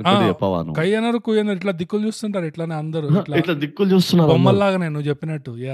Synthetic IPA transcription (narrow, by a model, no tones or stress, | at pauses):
aːɛpːaʋa̰ːnɐ̰kɐjɐnɐɾukujɐnd̪ɐiʈlaːd̪ikːult͡ʃuːst̪uɳʈaːɾiʈlaːneːɐnd̪ɐɾuʈlaiʈlaːd̪ikːult͡ʃuːst̪unːaːɾɔmːɐɾlaːɡɐneːnuʋːt͡ʃepːinɐʈːujaː